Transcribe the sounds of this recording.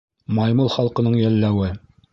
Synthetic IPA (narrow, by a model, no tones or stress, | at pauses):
mɑjmɤlˠχɑlˠqɤ̆nɤɴjælːæwɘ